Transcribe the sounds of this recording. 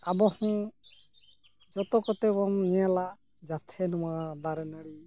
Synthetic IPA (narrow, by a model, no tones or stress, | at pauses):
abɔhũ | d͡ʒɔt̪ɔkɔt̪ɛbɔmnɛjala | d͡ʒat̪ʰɛnɔmad̪aɾɛnaɽi